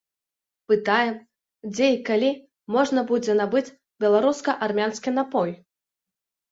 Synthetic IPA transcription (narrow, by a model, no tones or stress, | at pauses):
pɨt̪ajɛm | d͡zʲeikalʲi | mɔʐnɐbud͡zʲɛnabɨt͡sʲ | bʲɛlˠaɾuskɐʔarmʲanskʲinapɔj